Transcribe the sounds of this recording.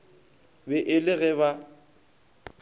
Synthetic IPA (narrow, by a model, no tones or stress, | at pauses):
bɛʔɪlɪɣɛβa